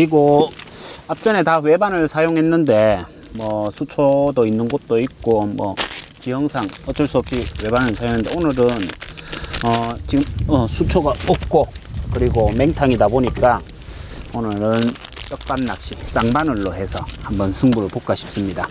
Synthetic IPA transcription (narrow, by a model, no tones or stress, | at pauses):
kɯɾiɡo | ap̚t͡ɕ͈ʌne̞tawe̞banɯɭsʰajoŋɦe̞nːɯnde̞ | mwʌsʰut͡ɕʰodoinːɯnɡʌt̚t͈oik̚k͈omwʌ̰t͡ɕijʌŋsʰaŋʌt͡ɕ͈ʌɭs͈uʌp̚ɕiwe̞banɯɭsʰajoŋɯndeonɯɾɯn | ʌt͡ɕiɡɯʌsʰut͡ɕʰoɡaop̚k͈okɯɾiɡome̞ŋtʰaŋidaboɲik͈a | onɯɾɯnt͈ʌk̚p͈anːak̚ɕ͈is͈aŋbanɯɭːoɦe̞sʰʌhambʌnsʰɯŋbuɾɯɭpok͈aɕʰi̥ps͈ɯmɲida